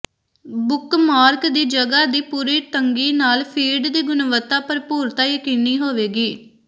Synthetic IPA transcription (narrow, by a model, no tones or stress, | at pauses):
bʊkmaːɾkd̪iːd͡ʒəɡaːd̪iːpuːɾiːt̪əŋɡiːnaːlpʰiːɖd̪iːɡʊnʋət̪ːaːpəɾpuːɾt̪aːjəkɪniːɦoːʋeːɡiː